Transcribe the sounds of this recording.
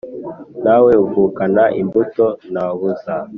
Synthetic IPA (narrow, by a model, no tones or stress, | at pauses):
naweuvuːkanaʔimbutonaβuza